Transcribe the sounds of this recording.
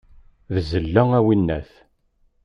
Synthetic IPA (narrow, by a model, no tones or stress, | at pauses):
ðzəlːææwinːæθ